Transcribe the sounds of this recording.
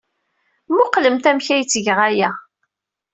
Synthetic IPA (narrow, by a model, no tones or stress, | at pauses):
mʊqːləmt̪æmçæjt͡sːəʝʁæjæ